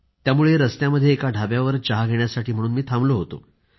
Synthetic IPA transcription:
t̪jamuɭeɾəst̪jaməd̪ʱːjeːkaɖʱabjaʋəɾt͡ɕaɦaɡʱeɳjasaʈʰiːm̤əɽ̃uːnmiːt̪ʰambloɦot̪o̰

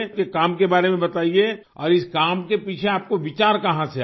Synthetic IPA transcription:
kekaːmkebaːɾemẽbɐt̪aːie | ɔːɾɪskaːmkepiːt͡ʃʰeaːp̚koʋɪt͡ʃaːɾkɐɦãse

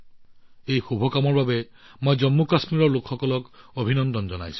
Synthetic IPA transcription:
ejxubʱɔkamɔɹbabɛ | mojzɔmːukasmiɹɔɹlokʰxɔkɔlɔkobʱinɔndɔnzɔna̰jsʊ̥̃

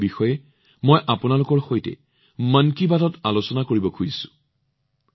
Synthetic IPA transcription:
bixɔjɛ | mojʔapʊnalʊkɔɹxojtɛ̰ | mankibatɔtalosɔnakoɹibɔkʰujisʊ̥

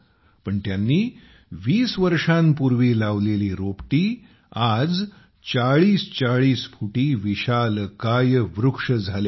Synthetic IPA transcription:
pəɳt̪janːiː | ʋiːsʋəɾʂampuɾʋilaʋleliːɾopʈiː | ad͡z | t͡saɭiːst͡ɕaɭiːsfuʈiːʋiɕalkajʋɾukʂəd͡zʱale

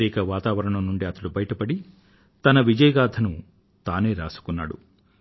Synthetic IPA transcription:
iːkɐʋaːt̪aːʋɐɾɐɳɐmnuɳɖiɐt̪ɐɽubɐjɐʈɐpɐɽi | t̪ɐnɐʋid͡ʒɐjɐɡaːd̪ʰʱɐnu | t̪aːne̞ːɾa̰ːsu̥kunːa̰ːɽṵ

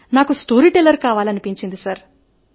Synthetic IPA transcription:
naːkusʈoːɾiʈelɐɾkaːʋaːliɐnipiɲt͡ʃind̪isɐɾ

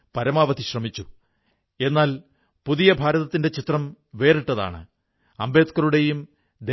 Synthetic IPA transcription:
pɐɾɐmaːʋɐðiɕrɐmit͡ɕːu | e̞nːaːl | puðijɐbʱaːɾɐðɐt̪ːinde̞t͡ɕit̪rɐm | ʋe̞ːriʈːɐða̰ːɳɨ̰ | ɐmbeːt̪kɐɾuɽe̞jum | d̪e

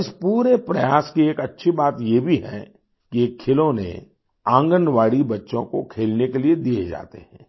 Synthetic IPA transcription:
ɪspuːɾepɾɐjaːskieːkɐtːʃʰibaːt̪jebʱiɦɛ̰̃ | kiekʰːɪlõnḛ | ãːŋɡənʋaːɽibɐtːʃõko̰kʰeːlnekelied̪ied͡ʒa̰ːt̪ḛɦɛ̰̃ː

